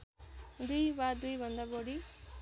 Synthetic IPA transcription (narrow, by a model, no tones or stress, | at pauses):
d̪ujbad̪ujbʌnd̪abɔɽi